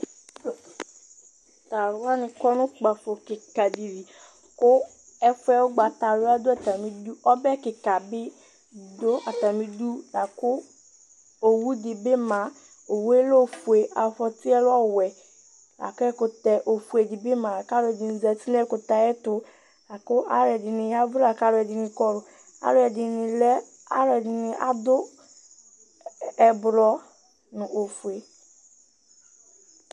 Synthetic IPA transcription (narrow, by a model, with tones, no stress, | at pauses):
t̪a˨lʊ˦a˦nɪ̃˨kɔ˦nʊ̃˦k͡pa˨fo˨kɪ˨ka˨di˨ɾi˨ | kʊ˦ | ɛ˦fʊ˦ɛ˨wo˦ɡ͡ba˨t̪a˨lʊ˦a˦d̪o˦a˨t̪a˨mĩ˦du˦ɔ˦bɛ˦kɪ˨ka˨bɪ˦ | do˦a˨t̪a˨mĩ˦du˦la˨kʊ˦ | o˨wu˦dɪ˨be˦mã˨ | o˨wu˦e˦lo˦˨fu˨e˨ʔa˨fɔ˨t̪i˦ɛ˦lɔ˦˨wɛ˨ | la̰˨kɛ˦kʊ˨t̪ɛ˨ʔo˨fu˨ɛ˨dɪ˨bɪ˦mã˨ka˦lʊ˦ɛ˨dɪ˨nɪ̃˨zɛ˨ti˦nɛ˦kʊ˨t̪a˨ɛ˦t̪ʊ˦ | la˨kʊ˦ʔa˦lɛ˨dɪ˨nɪ̃˨ja˦vɾa˨ka˦lʊ˨ɛ˨dɪ˨nɪ̃˨kɔ˦ɾʊ˨ | a̰˦lʊ˦ɛ˨dɪ˨nɪ̃˨lɛ˦ | a̰˦lɛ˨dɪ˨nɪ̃˨ʔa˨d̪ʊ˦ | ɛ˨bɾɔ˦ | nʊ̃˨ʔo˨fu˨e˨